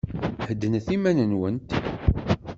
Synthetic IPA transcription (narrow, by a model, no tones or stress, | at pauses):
həd̪ːənθimænənwənt̪